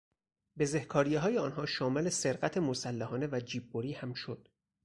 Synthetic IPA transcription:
be̞zehkʰɒːɾijeɦɒːjeɒːnɦɒːʃɒːme̞le̞se̞ɾɢæt̪ʰemosælːæhɒːne̞væd͡ʒiːbːoɾiːhæmʃod̪̥

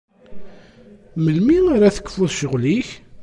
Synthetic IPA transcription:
məlmiaɾaθə̥kːfuðʃəʁliç

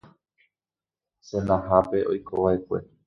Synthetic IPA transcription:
sẽnãɦape̞ʔo̞jkʰoʋaekʷe̞̰

